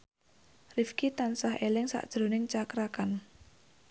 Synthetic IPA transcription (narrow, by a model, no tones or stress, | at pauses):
rifkit̪ansaɦelɪŋsa̰ʔd̥ʒ̥ɾonɪŋt͡ʃakɾakan